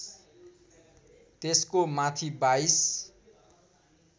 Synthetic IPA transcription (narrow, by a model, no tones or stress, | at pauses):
t̪eskomat̪ʰibajs